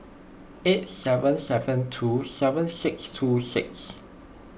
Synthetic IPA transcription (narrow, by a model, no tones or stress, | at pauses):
et̚sɛvə̃nsɛvə̃ntʰusɛvə̃nsɪkstʰusɪks